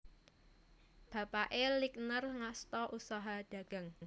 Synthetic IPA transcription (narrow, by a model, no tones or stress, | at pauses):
b̥ä̤paʔeliknərŋast̪ɔʔusɔɦad̪̥ä̤ɡ̥a̤ŋ